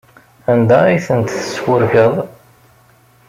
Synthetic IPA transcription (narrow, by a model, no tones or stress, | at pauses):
ænd̪æiθənt̪θəswəɾçəðˤ